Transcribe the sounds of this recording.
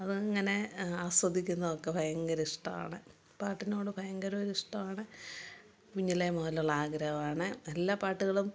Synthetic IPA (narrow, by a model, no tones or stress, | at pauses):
ɐðɨŋːɐne̞aːswɐd̪ʱːikʲːunːɐðokːe̞bʱɐjɐŋɡɐɾiʂʈɐma̰ːɳɨ | paːrʈːino̞ːɽɨbʱɐjɐŋɡɐɾuɐɾiʂʈɐmaːɳɨ | kuɲːilemɐlɐɭaːɡɾɐʋaːɳɨnɐlːapaːʈːuɣɐɭum